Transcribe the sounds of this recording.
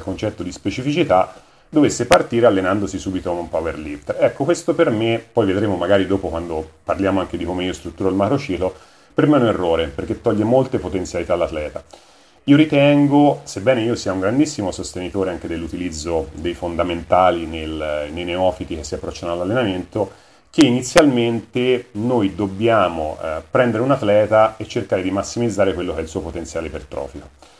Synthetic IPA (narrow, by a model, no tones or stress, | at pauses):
lkont͡ʃɛt̪ːod̪ispet͡ʃifit͡ʃit̪a | d̪ovesːepart̪iːɾealːenand̪osisuːbit̪okomumpaveɾlipt̪ɛkːokwest̪opermepːɔjved̪ɾeːmomaɡaːɾid̪oːpokwand̪oparljaːmoaŋk̟ed̪ikomeiːost̪ɾut̪ːuːɾoilmakɾot͡ʃiːklo | peɾmeunerːoːɾeperk̟et̪ːɔʎːemolt̪epot̪ent̪sjalit̪aːlːat̪lɛːt̪a | iːoɾit̪ɛŋɡosebːɛːneiːosiauŋɡɾand̪isːimosost̪enit̪oːɾeaŋk̟ed̪elːut̪ilid̪zːod̪ejfond̪ament̪aːlinelnejneɔfit̪ikesːiapːɾɔt͡ʃːanoalːalːenament̪o | k̟einit̪sːjalment̪enojd̪objaːmo̰pɾɛnd̪eɾeunat̪lɛːt̪aet͡ʃːerkaːɾed̪imasːimid̪zːaːɾekwelːokɛilsuːopot̪ent̪sjaːleipelt̪ɾɔ̰ːfiko